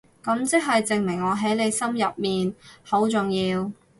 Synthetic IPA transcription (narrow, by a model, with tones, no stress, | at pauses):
kɐ˨˥mt͡sɪ˥k̚ɦɐ˨jt͡sɪ˨ŋmɪ˨˩ŋɔː˨˧ɦɐ˨˥jle˨˧jsɐ˥mjɐ˨p̚miː˨nho˨˥wt͡sʊ˨ŋjiː˧w